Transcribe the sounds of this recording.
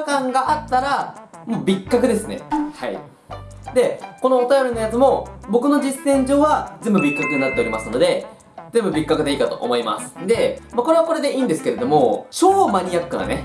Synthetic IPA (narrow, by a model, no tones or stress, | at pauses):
kãŋɡaʔat̪ːaɾamoːbʲikːakɯ̟d̪e̞sɨne̞̰ha̰ḭ | d̪e̞ko̞no̞ːt̪ajo̞ɾʲino̞jat͡sɨmo̞bo̞kɯ̟no̞d͡ʑisːẽ̞ɲ̟d͡ʑo̞ːβad͡zẽ̞mbɯbʲikːakɯ̟ɲɲinat̪ːeoɾʲimasɨno̞d̪e̞ | d͡zẽ̞mbɯ̟bʲikːakɯ̟d̪e̞iːkat̪o̞ʔːmo̞ima̰sɨ̥d̪e̞mako̞ɾe̞βako̞ɾe̞d̪e̞ʔiːnd̪esɨ̥ke̞ɾe̞d̪o̞mo̞ɕo̞ːmaɲ̟iakːɯɡ̪a̰ne̞